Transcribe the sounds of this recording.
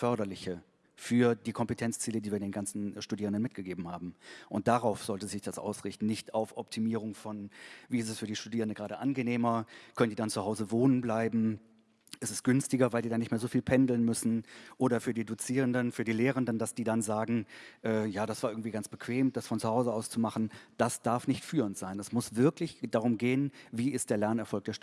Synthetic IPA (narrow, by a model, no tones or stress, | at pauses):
fœɐɾɐlɪçə | fyːɐdiːkʰɔmpətʰɛnt͡st͡siːlədiːviːɐdeːnɡant͡sn̩ʃtudiːʁəndənmɪt̚ɡ̥əɡeːbm̩haːbm̩ʔʊnt̚d̥aʁaʊfz̥ɔltəzɪçd̥asʔa̰ʊsʁɪçtn̩nɪçtʰaʊfʔɔp̚tʰimiːʁʊŋfɔnviːɪstɛsfyːɐdiːʃtudiːʁəndəɡʁaːɾəʔanɡəneːmɐkʰœnəndiːdant͡suhaʊzəvoːnənblaɪbm̩ | ʔɛsɛst̚ɡ̥ʏnstɪɡɐvaɪldiːdaːnɪçtmeːɐzoːfiːlpʰɛndl̩nmʏsn̩ʔoːɾɐfyːɐdiːdut͡siːʁ̞əndənfyːɐdiːleːʁəndəndasd̥iːdanzaːɡŋ̩ʔɛːjaːdasv̥aːɐʔɪɐɡŋ̩tv̥iːɡant͡sb̥əkʰv̥eːmd̥asfɔnt͡suhaʊzəaʊst͡sumaχn̩d̥asd̥aɐfnɪçtfyːʁəntz̥aɪnɛsmʊsv̥ɪɐklɪçd̥aʁʊmɡeːənviːɪstd̥eːɐlɛɐnɛɐfɔlkd̥eɐʃt